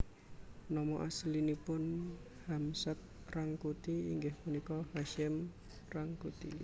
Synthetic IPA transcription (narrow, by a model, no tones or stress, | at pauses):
nɔmɔʔaslinipʊn | hamsət̪̚ | raŋkut̪iiŋɡɪhmunikɔhaʃɪm | raŋkut̪ḭ